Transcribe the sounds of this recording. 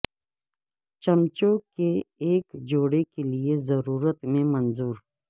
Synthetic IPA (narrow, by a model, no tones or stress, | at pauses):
t͡ʃəmt͡ʃokeːkd͡ʒoːɽekeliezəɾuːɾət̪mẽmɐnzuːɾ